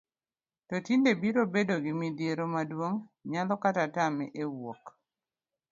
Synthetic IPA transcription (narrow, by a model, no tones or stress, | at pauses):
tɔtindebiɾobedoɡimidjeɾomadwoŋɲalɔkatatamɛʔewok